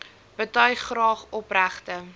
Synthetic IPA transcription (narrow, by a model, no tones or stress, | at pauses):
b̥ətœɥχːrɑːχɔpræχtə